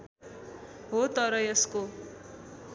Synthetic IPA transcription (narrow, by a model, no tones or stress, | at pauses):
ɦot̪ʌɾʌjʌsko